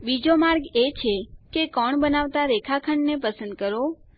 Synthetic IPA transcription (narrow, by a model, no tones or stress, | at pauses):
bid͡ʒomaɾɡet͡ʃʰekekɔɳbənaʋt̪aɾekʰakʰəɳɖnepəsənd̪̚kəɾo